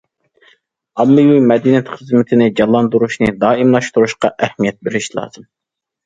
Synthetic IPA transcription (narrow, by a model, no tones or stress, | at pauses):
ɑmːɨjujmɛd̪inɛt̪χəzmɪt̪ʰɪnɪd͡ʒɑlˠːɑnd̪uɾuʃnɨd̪ɑːimlˠɑʃt̪uɾuʃqɑʔɛhmijɛt̪̚bɪɾɪʃlˠɑ̰ːz̥ɨm